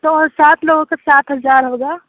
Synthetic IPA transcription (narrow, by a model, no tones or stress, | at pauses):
t̪osaːt̪ʰloːɡõkɐsaːt̪ɦɐzaːɾɦoɡaː